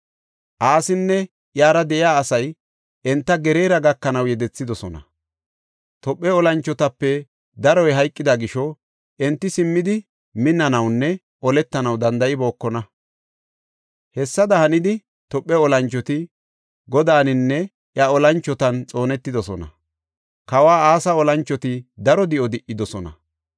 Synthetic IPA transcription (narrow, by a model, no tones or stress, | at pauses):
ʔaːsɪnːɛ | ʔjaːɾɐd̪ɛʔɪjaːsɐj | ʔɛnt̪ːɐɡɛɾeːɾɐɡɐkːɐnɐwjɛd̪ɛt͡sːɪd̪ɔsɔnɐ | t̪ɔpʼːɛɔlɐnt͡ʃːɔt̪ɐpːɛ | d̪ɐɾɔjɦɐjkʼːɪd̪ɐɡɪʃɔ | ʔɛnt̪ːɪsɪmːɪd̪ɪ | mɪnːɐnɐwnːɛ | ʔɔlɛt̪ːɐnɐwd̪ɐnd̪ɐʔɪbo̞ːkːɔnɐ | hɛsːɐd̪ɐhɐnɪd̪ɪ | t̪ɔpʼːɛɔlɐnt͡ʃːɔt̪ɪ | ɡɔd̪aːnɪnːɛ | ʔjɐɔlɐnt͡ʃːɔt̪ɐnt͡sʼo̞ːnɛt̪ːɪd̪ɔsɔnɐ̰ | kɐwaːaːsɐɔlɐnt͡ʃːɔt̪ɪd̪ɐɾɔd̪ɪʔɔd̪ɪʔːɪd̪ɔsɔnɐ̰